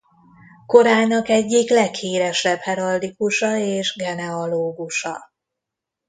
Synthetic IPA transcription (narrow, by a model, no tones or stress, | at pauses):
ko̞ɾaːnɒkɛɟːiklɛkhiːɾɛʃɛbhɛɾɒld̪ikuʃɒeːʒɡɛnɛɒloːɡuʃɒ̰